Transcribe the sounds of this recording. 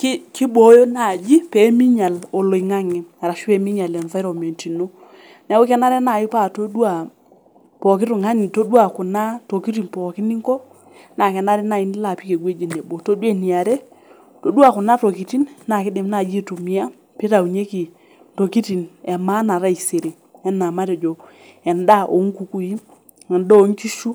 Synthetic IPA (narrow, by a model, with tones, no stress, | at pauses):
kki˦ɓo˨˦jo˦na˨d͡ʒi˦pe˨˦mi˦ɲa˨lo˨lo˨i˨ŋa˦ŋɛ˨a˨ɾa˨ʃu˦ɛ˦˨mi˦ɲa˨lɛ˨ɱva˦jɾɔ˨me˨nti˨no˦ | n˨ɛ˨˦ko˦kɛ˦na˦ɾɛ˦na˨ji˦pa˦˨to˦dwa˨ | pɔ˨kɪ˦tu˨ŋa˦ni˨to˦dwa˨kʊ˨na˦to˨ki˦t̬i˨npɔ˨kɪ˦ni˦ŋkɔ˦ | na˨kɛ˨na˦ɾi˦na˨i˦n˦la˨pi˦ke˨ɡwe˦d͡ʒe˨ne˨bo˨to˦dwe˦˨ni˨a˨ɾe˦ | to˨˦du˦a˨kʊ˨na˦to˨ki˨ti˦nna˨kɪ˦dɪ˨mna˨d͡ʒi˦tu˨mi˦a˦ | pi˦ta˨u˨ɲe˦ki˨ | to˨ki˦ti˨nɛ˨ma˦na˨ɾa˦i˨se˨ɾi˨ | ɛ˦nːa˨ma˦ɾe˨d͡ʒo˨ | ɛ˨nda˦ʔo˨˦ŋ˦ku˨˦ku˦i˦ | ɛ˨ndɔ˦˨˦ŋ˦ki˦ʃu˦